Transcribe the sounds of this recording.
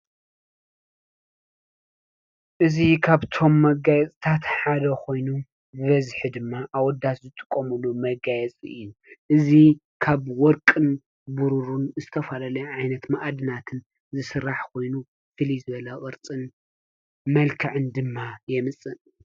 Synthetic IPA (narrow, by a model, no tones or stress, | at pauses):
ʔɨzikʰaβt̪ʰo̞mːɐɡajɛt͡sʼt̪ʰat̪ħad̪ɐkʰo̞jnu | zɨβɐzħid̪ɨmːaʔawɔd̪ːat̪zɨt̪ʼɨ̥kʼːomulumɐɡajɛt͡sʼɨ̰jːuʔɨzi | kʰaβwɔɾkʼɨn | buɾuɾunzɨt̪ʰɐfalalɐʕajnɐt̪maʔad̪ɨnat̪ʰɨn | zɨsɨɾːaħkʰo̞jnu | fɨlizɨβɐlɐχʼɨɾt͡sʼɨn | mɐlkʰɨʕɨnd̪ɨmːajɛmɨt͡sʼɨn